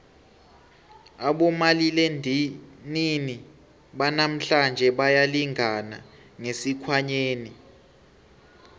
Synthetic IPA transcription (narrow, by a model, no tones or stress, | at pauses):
aɓɔmalile | nini | ɓanam̩ɬand͡ʒʱɛɓajaliŋʱana | ŋesikʰwaɲeːni